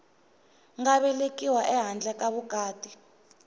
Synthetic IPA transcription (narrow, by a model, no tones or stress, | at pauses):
ŋɡaβɛlekʼiwaʔɛɦand͡ɮʱɛkaβuɡ̥ʱaːd̥ʱi